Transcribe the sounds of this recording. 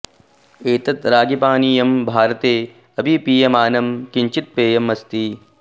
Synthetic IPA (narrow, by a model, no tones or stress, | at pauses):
eːt̪ɐt̪ɾaːɡipaːniːjɐmbʱaːɾɐt̪eː | ɐbʱipiːjɐmaːnɐmkiɲt͡ʃit̪̚peːjɐmɐst̪i